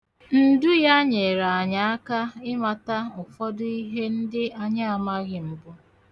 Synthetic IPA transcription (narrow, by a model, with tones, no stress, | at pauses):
n̩˦˨du˦ja˦ɲe˨ɾa˨a˨ɲa˨a˦ka˦ɪ˦ma˨ta˦ʊ˨fɔ˦dʊ˦i˦ɦe˦n̩˦dɪ˦a˨ɲa˦a˨ma˦ɣɪ˨m̩˨bʊ˦